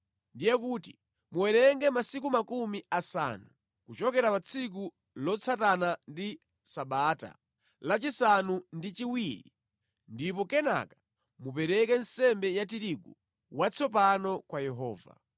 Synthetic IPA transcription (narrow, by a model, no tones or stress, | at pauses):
ndijɛkuti | muwɛɾɛŋɡɛmasik̬umakumiasa̰nu | kut͡ʃɔkɛɾapat͡sʰik̬u | lɔt͡sʰatanandi | saɓaːta̰ | lat͡ʃisanundit͡ʃiwiɾḭ | ndip̬ɔkɛna̰kḁ | mupɛɾɛkɛnsɛmbɛjatiɾiɡṵ | wat͡sʰɔpanɔkwajɛɦɔːva̰